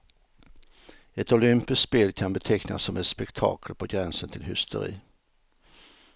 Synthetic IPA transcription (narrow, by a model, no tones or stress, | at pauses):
ɛt̪ʊlʏmpɪskt̪speːlkʰanbɛt̪ʰɛkna̰sːɔmɛt̪spɛkt̪ʰɑ̰ːkʰəlpʰɔɡɾɛnsənt̪ʰɪlɦʏst̪ʰə̰ɾḭː